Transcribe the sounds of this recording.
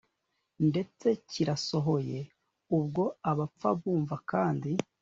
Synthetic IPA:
nde̞t͡se̞ciɾaso̞ɦo̞je̞ | ubɡo̞aβap͡fa̰βuːɱvakaːndi

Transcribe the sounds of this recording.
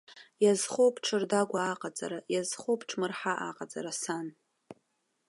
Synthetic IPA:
jazχowpʰʼʈ͡ʂʰɨrdaɡʷaːqʼad͡zʼa̰ɾajazχopʰʈ͡ʂʰmɨrħaʔa̰qʼad͡zʼaɾasan

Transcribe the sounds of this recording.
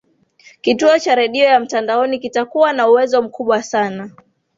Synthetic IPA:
kituɔt͡ʃaɾɛɗiɔjam̩tandaɔnikitakuwanauwɛzɔm̩kuɓwasana

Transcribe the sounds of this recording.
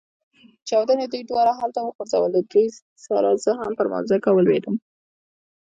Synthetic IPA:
t͡ʃɑwd̪aned̪ujd̪wɑɾaɦalt̪awəxoɾza̰wəld̪uj | sɑlɑz̥əɦampəɾma̰wzakawəlwed̪əm

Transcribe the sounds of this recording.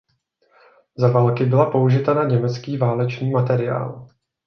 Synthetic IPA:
zavaːlkɪbɪlapo̞uʒɪt̪anaɲɛmɛt͡skiːvaːlɛt͡ʃniːmat̪ɛɾɪja̰ːl

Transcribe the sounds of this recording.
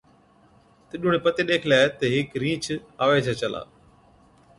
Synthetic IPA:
t̪ɪɗʊɽ̃epɐt̪eɗeːkʰlaːet̪ɐɦɪkɾĩːt͡ʃʰaːʋet͡ʃʰat͡ʃɐlʔa̰ː

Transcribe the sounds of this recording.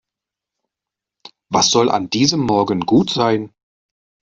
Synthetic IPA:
vasz̥ɔlʔa̰ndiːzəmːɔɐɡənɡuːtz̥aɪn

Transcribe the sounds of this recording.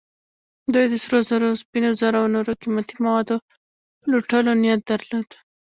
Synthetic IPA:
d̪ujd̪əsɾozaɾospinozaɾawnoɾokimat̪imawɑd̪o | luʈəlonijat̪̚d̪əɾlod̪

